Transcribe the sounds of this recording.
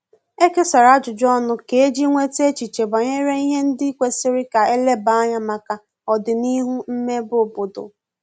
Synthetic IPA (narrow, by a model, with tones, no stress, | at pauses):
e˦ke˦sa˨ɾa˦d͡ʒʊ˨d͡ʒɔ˦nʊ˦ke˨e˦d͡ʒi˦ŋʷe˦te˦t͡ʃi˨t͡ʃe˨ba˨ɲe˦ɾe˦i˦ɦe˦n̩˦dɪ˦kʷe˦sɪ˦ɾɪ˦ka˨e˦le˦ba˨˦a˦ɲa˦ma˨ka˨ | ɔ˨dɪ˨ni˦ɦu˦m̩˦me˦bʊ˨bʊ˨dʊ̰˨